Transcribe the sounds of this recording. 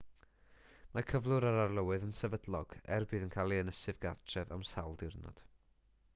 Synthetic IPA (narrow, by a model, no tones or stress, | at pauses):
makʰəvlˠʊɾaɾarlˠəwɨðənsɛvədlˠɔɡ̥ɛ̰rbɨːðənkʰaːlˠiənəsɨvɡa̰rtʰrɛva̰msawlˠdɪrnɔ̰d̥